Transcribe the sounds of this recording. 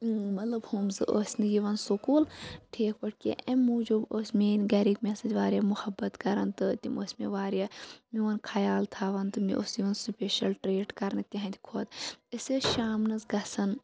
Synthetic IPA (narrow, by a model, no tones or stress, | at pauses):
mɐt̪lɐbhumzɨʔosʲnɨjiʋɐnsukuːlʈʰiːkʰpɐʈ̚kḛʔɐmːũːd͡ʒoboːsʲmeːnʲɡɐɾikmʲesɐd͡ʒʋaːɾʲjamʊhɐbɐt̪kɐɾɐnt̪ɨt̪ʲimoːsʲmḛʋaːɾjamiʋɐnkʰɐjaːlt̪ʰaːʋɐnt̪ɨmḭʔosjiʋɐnsupʲeʃɐlʈɾeːɖkɐɾɐnt̪ʲiɦɐnt̪ʰʲikʰoːt̪ɐsʲeʃaːmnɐzɡɐsɐn